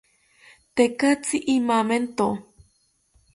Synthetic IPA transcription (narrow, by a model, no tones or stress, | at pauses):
t̪ekat͡siʔimament̪o